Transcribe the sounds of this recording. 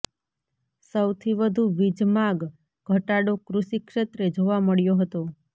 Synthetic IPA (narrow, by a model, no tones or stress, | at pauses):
səwt̪ʰiʋəd̪ʱuʋid͡ʒmaɡ | ɡʱəʈaɽokɾuʃikʃet̪ɾed͡ʒoʋaməɭjoɦət̪o